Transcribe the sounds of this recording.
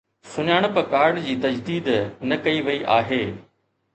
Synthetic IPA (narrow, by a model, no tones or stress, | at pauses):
sʊɲaːɽ̃pɐkaːɾɖd͡ʑiːt̪ɐd͡ʑd̪iːd̪nɐkɐiʋɐiʔaːɦeː